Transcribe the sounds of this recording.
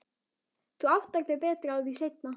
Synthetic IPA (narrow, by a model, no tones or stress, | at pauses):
θuawt̪aɾpɛpɛːt̪ɾawðisejt̪na